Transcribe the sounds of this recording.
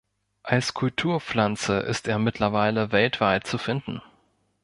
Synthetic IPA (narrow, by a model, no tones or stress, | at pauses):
ʔalskʰʊltʰuːɐp͡flant͡səʔɪ̰steːɐmɪtʰlɐvaɪləvɛltv̥aɪt̚t͡sufɪndn̩